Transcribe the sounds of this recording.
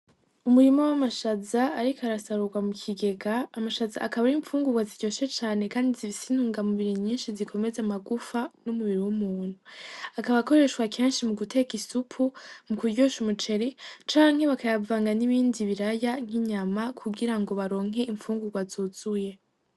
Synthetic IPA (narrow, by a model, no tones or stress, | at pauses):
umuɾimowamaʃazaːɾikʰaɾasaɾuɡwamukʰiɡe̞ɡaːmaʃazaːkaβaɾiːɱfuːŋɡuɡwaziɟo̞ʃe̞t͡ʃaːnekaːndizifisin̥uːŋɡamuβiɾiɲiːnʃizikʰo̞me̞zamaɡufanumuβiɾiwumuːn̥huakaβako̞ɾe̞ʃwakʰe̞ːnʃimuɡute̞kisupʰumukuɾɟoʃumut͡ʃe̞ɾet͡ʃaːŋ̥he̞βakajavaːŋɡaniβiːndiβiɾajaŋ̥hiɲamakʰuɡiɾaŋɡo̞βaɾo̞ːŋ̥ɦe̞iɱfuːŋɡuɡwazuz̥uje̞